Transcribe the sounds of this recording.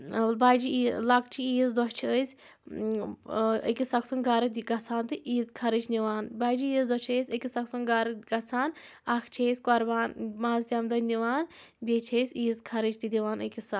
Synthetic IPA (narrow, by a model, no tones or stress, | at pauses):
baːd͡ʒiilɐkt͡ʃʰiiːzd̪ɔʃt͡ʃʰiəsʲ | ə̰kʲisɐksunɡaɾɨt̪ʲɡɐt͡sʰaːnt̪ɨiːzkʰɐɾɨt͡ʃʰniʋaːnbaːd͡ʒiiːzd̪ɔʃt͡ʃʰəsʲəkʲisɐksunɡaːɾɨɡɐt͡sʰaːn | ɐkʰt͡ʃʰeːsʲkɔɾbaːnmaːzt̪ʲjamd̪ɐniʋaːn | bʲeːt͡ʃʰeːsʲiːzkʰɐɾɨt͡ʃt̪id̪iʋaːnəkʲisɐ